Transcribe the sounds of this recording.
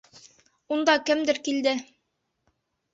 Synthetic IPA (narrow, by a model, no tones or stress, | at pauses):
und̪ɑkɘmd̪ɘɾkild̪ɘ